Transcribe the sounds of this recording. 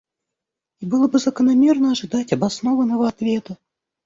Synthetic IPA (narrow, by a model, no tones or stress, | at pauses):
ibɨlˠəbɨzəkənɐmʲe̞rnəɐʐɨd̪atʲɐbɐsno̞vənːəvəɐt̪vʲe̞t̪ə